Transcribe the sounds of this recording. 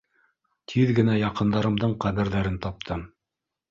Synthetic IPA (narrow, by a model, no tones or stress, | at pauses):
t̪ʰiðɡɘ̆næjɑqɤ̆nd̪ɑɾɤ̆md̪ɤɴqæβɘ̆ɾðæɾɘnt̪ɑp̚t̪ʰɤm